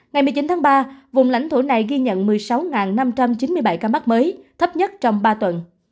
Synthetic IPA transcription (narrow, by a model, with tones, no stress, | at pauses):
ŋa˨˩jmɨ˨˩əjt͡ɕi˨˦nt̪ʰaː˨˦ŋɓaː˧vʊ˨˩ŋ͡mla̰˧˩jŋ̟t̪ʰo˧˩na˨˩jɣi˧ɲə̰˧˨nmɨ˨˩əjsa˨˦wŋaː˨˩nːa˧mt͡ɕa˧mt͡ɕi˨˦nmɨ˧əjɓa˧˩jkaː˧maː˦˥k̚məː˨˦jt̪ʰə˦˥p̚ɲə˦˥t̚t͡ɕɔ˧wŋ͡mɓaː˧t̪wə˨˩n